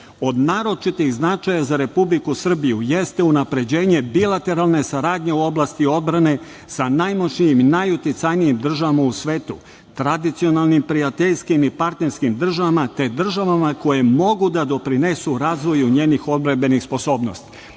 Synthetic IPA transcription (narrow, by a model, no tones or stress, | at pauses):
o̞d̪naːɾo̞t͡ʃit̪ixznat͡ʃajazaɾe̞publikusr̩bijujest̪e̞unapɾe̞d͡ʑe̞ːɲe̞bilat̪e̞ɾalˠne̞saɾaːd̪ɲe̞uo̞blˠast̪io̞d̪bɾane̞ | sanajmot͡ʃɲijiminajut̪it̪sajnijimd̪r̩ʒaʋamausʋe̞ːt̪ṵ | t̪ɾad̪it̪sio̞nalˠnimpɾiat̪eʎskimipaɾt̪ne̞ɾskimd̪r̩ʒaʋamat̪e̞d̪r̩ʒaʋamako̞je̞mo̞ɡud̪ad̪o̞pɾine̞suɾaːzʋo̞juɲe̞ːnixo̞d̪̚bɾambe̞nixspo̞so̞ːbno̞̰st̪i̥